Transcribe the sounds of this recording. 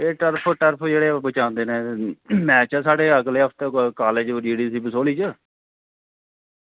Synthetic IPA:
eːʈəɾpʰʈəɾpʰd͡ʒeːɽeːbət͡ʃãːʊ̃nd̪eːnẽːmɛ̃ːt͡ʃəsaːɖeːəɡleːɦəpʰt̪ːkaːled͡ʒd͡ʒiːɽiːsiːbəsoːliːt͡ʃə

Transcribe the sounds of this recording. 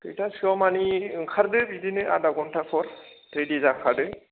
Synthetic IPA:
kḛjtasɔmanikʰaɾdɯbidinɯʔa̰daɡɔntʰakʰɔɾtɾedizakʰaɾdɯ

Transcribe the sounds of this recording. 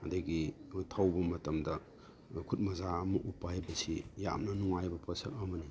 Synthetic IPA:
ɐdɐɡitʰawbɐmɐtɐmdɐ | kʰut̚mɐzaɐmɐʔupːahajbɐsija̰mnɐnuŋajbɐpʰɐsɐkɐmɐni

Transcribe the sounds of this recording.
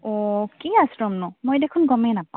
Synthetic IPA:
ɔkiasɹɔmnɔmojdekʰunɡɔmɛnapã

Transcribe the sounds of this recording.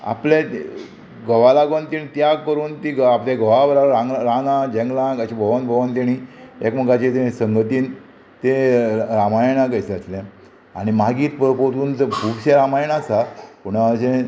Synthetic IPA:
a̰plẽ | ɡəʋalaɡont̪iɽ̃it̪jakəɾuːnt̪iɡapleɡəʋabəɾaɾaŋɾãnãd͡ʑɛ̃ŋɡlãkəɕĩbʱəʋanbʱəʋant̪iɽ̃iekməɡat͡ɕet̪eisəŋɡət̪iːn | t̪eɾamajɳãkəjseəslẽ | aɽ̃imaɡiːt̪pəpoɾt̪uːnt͡səbʱuɡɕẽɾamajɳasapuɽ̃aət͡ɕẽ

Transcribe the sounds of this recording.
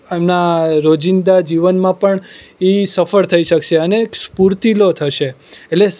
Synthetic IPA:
emnaɾod͡ʒind̪ad͡ʒiʋənmãpəɳ | isəfəɾt̪ʰəiʃəkʃeənekspuɾt̪ilot̪ʰəʃeːʈle

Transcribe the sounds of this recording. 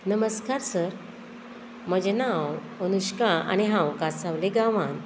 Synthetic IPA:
nəməskaɾsəɾ | məd͡ʑnawmənuɕkaa̰ñiɦãwkasaʋleɡaʋan

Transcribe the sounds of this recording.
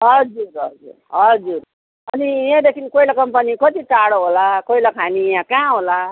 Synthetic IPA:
ɦʌd͡zuɾɦʌd͡zṵrɦʌd͡zur | ʌnijẽd̪ekʰinkoilakʌmpʌnikʌt̪it͡saɽoɦolakoilakʰanijãkãɦola

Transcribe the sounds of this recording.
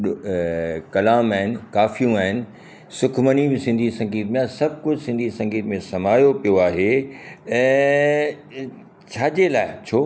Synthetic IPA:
kɐlaːmaːɦɪnɪ̆kaːfijũaːɦɪnɪ̆ | sʊkʰmənibɪsɪ̃nd̪ʱisɐ̃ŋɡiːt̪mẽaːsɐbʱkʊd͡ʑʱsɪ̃nd̪ʱisɐ̃ŋɡiːt̪mẽsɐm̤aːjopijoaːɦẽ | t͡ɕʰaːd͡ʑeːlaːɪt͡ɕʰoː

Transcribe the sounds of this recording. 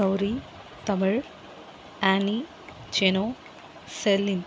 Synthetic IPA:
ɐwɾi | t̪ɐmɐɭ | aːni | t͡ʃeno | selin

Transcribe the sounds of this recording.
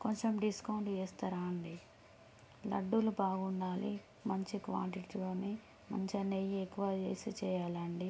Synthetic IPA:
koɲt͡ʃemɖiskɐwɳʈt͡ʃeːst̪ɐɾaːɐɳɖi | lɐ̰ɖːulubaːɡuɳɖaːli | mɐɲt͡ʃikʋa̰ːɳʈiʈiloːni | mɐɲt͡ʃɐnejiekːuʋaːt͡ʃeːsit͡ʃɛːjaːlɐɳɖi

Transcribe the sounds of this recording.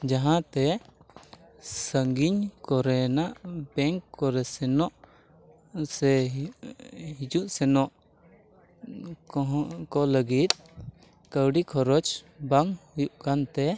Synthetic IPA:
d͡ʒaɦãt̪ɛ | səŋɡiɲkɔɾɛnaʔbɛŋkːɔɾɛsɛnɔʔ | sɛ | ɦid͡ʒuʔsɛnɔʔ | ɦkɔləɡit̪̚ | kəwɖikʰɔɾɔt͡ʃ | baŋhujuʔkant̪ɛ

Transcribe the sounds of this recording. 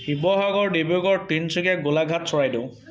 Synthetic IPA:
hibɔɦaɡɔɹdebuɡɔɹtinsʰikɛɡolaɡʱatsɔɹajdẽʊ̃

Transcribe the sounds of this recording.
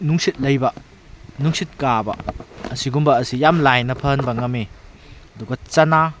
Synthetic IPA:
nuŋsit̪̚lɐjbɐ | nuŋsit̪̚kabɐ̰ɐsiɡumbɐːsijamlajnɐpʰɐnbɐŋɐme | dukɐt͡sɐna

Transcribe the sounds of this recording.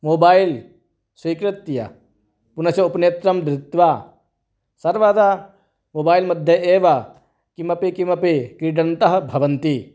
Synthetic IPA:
moːbaːil | swiːkɾɪt̪jɐ̰ | punɐsjɐupneːt̪ɾɐmd̪ɾɪt̪ʋa | sɐɾʋaːd̪a | moːbaːjlmɐd̪ʱjɐʔeːʋɐ | kimɐpikimɐpikɾiɖɐnt̪ɐɦɐ̆bʱɐʋɐnt̪i

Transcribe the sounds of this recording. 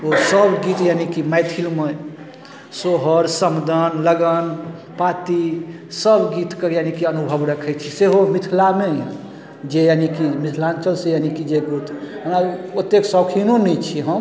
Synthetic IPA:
osəbɡit̪janikimaɪt̪ʰilme | soɦəɾsəmd̪ənləɡən | pat̪i | səbɡit̪kejanikiənubʱəbɾəkʰɛt͡ʃʰiseɦomit̪ʰlamejã | d͡ʒejanikimit̪ʰlant͡ʃəlsejanikid͡ʒeɡɾut̪ənaot̪eksɔwkʰinonɛt͡ʃʰiɦəm

